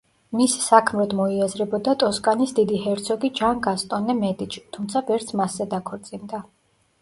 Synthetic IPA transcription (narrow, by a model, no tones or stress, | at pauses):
misːakʰmɾɔd̪mɔiazɾɛbɔd̪at̪ʼɔskʼanisd̪id̪ihɛɾt̪sʰɔɡid͡ʒanɡast̪ʼɔnːɛmɛt̪ʼit͡ʃʰt̪ʰumt̪sʰavɛɾt̪sʰmasːɛd̪akʰɔɾt̪sʼind̪a